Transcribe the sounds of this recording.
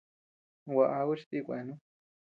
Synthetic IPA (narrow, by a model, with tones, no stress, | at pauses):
wa˧ʔa˧u˦t͡ʃi˧t̪i˦˧kʷa˨˧e˧˨nũ˦